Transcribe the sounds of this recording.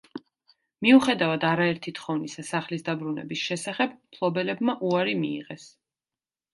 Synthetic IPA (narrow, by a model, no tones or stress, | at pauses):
miuχɛd̪avad̪aɾaɛɾt̪ʰit̪χɔvnisasaχlisd̪abɾunɛ̰bisʃɛsaχɛb̚pʰlˠɔbɛlɛbmaʔuaɾimḭːʁɛs